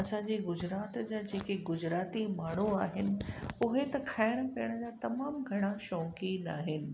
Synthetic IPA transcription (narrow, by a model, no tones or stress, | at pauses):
ɐsãɲd͡ʑeɡʊd͡ʑɾaːt̪d͡ʑaːd͡ʑeːkeɡʊd͡ʑɾaːt̪imaːɳ̤uaːɦɪnɪ̆ʊɦet̪ɐkʰaːɪɽ̃pɐjəɽ̃əd͡ʑaːt̪ɐmaːmɡʱɐɽ̃aʃɔ̃ːkinaːɦɪnɪ̆